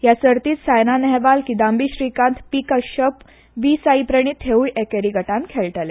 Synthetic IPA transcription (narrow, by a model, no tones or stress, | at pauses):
jasəɾt̪iːt̪sajnanɛɦʋalkid̪ãmbiɕɾikãnt̪pikəɕəp | ʋiːsaipɾəɳ̃iːt̪ʰːeujʔɛkeɾiɡəʈãnkʰɛɭʈəlɛ